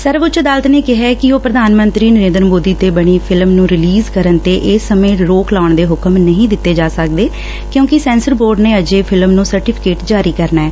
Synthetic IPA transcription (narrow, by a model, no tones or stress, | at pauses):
səɾʋʊt͡ʃd̪aːlət̪neːkɪɦɛːkɪoːpɾəd̪ʱaːnmənt̪ɾiːnəɾeːnd̪ɾəmoːd̪iːt̪eːbəɳ̃iːpʰɪlmnũːɾɪliːzkəɾənt̪eːʔeːsəmẽːɾoːklaːʊɳd̪eːɦʊkəmnəɦĩːd̪ɪt̪ːeːd͡ʒaːsək̚d̪eː | kjõːkɪsɛ̃ːnsəɾboːɾɖneːəd͡ʒeːpʰɪlmnũːsəɾʈɪpʰɪ̥keːʈd͡ʒaːɾiːkəɾnaɛː